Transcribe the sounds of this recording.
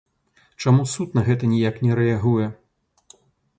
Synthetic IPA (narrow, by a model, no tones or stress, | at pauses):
t͡ʂamusut̪nɐɣɛt̪ɐnʲijaknʲɛɾɛaɣujɛ